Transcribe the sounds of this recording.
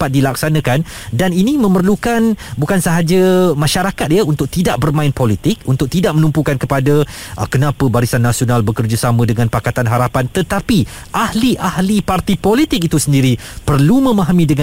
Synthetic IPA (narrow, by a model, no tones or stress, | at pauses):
pat̪̚dilak̚sanə̃kan | daninĩmə̃mərlukanbukansəɦad͡ʒamãʃaɾakat̪̚jaunt̪ʊk̚t̪idaʔ̚bərmãɪnpolit̪ɪk̚unt̪ʊk̚t̪idaʔ̚mənumpukankəpada | ʔkənãpəbaɾisanːasionalbəkərd͡ʒəsamə̃dəŋãnpakat̪anɦaɾapant̪ət̪api | ʔahliʔahlipart̪ipolit̪ɪk̚it̪usəndiɾi | pərlumə̃mãɦamĩdəŋã